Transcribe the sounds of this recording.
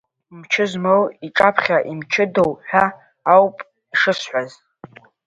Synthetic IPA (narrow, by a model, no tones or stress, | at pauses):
mt͡ʃʰɪzmowiʈ͡ʂʼapʰχʲaʔimt͡ʃʰɪdowħʷᶣaː | wpʼ | iʂɨsħʷaz